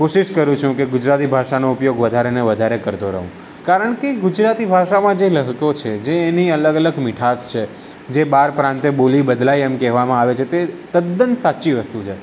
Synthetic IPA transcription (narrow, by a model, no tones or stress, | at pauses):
koʃiʃkəɾũt͡ʃʰũkeɡʊd͡ʒɾat̪ibʱaʃanoʊpjoɡʋəd̪ʱaɾeneʋəd̪ʱaɾekəɾt̪oɾəɦũ | kaɾəɳkeɡʊd͡ʒɾat̪ibʱaʃamãd͡ʒeləɦkot͡ʃʰed͡ʒeːniələɡələɡmiʈʰast͡ʃʰe | d͡ʒebaɾpɾãnt̪ebolibəd̪laiemkɛɦʋamãaʋet͡ʃʰet̪et̪əd̪ːənsatːʃiʋəst̪ut͡ʃʰe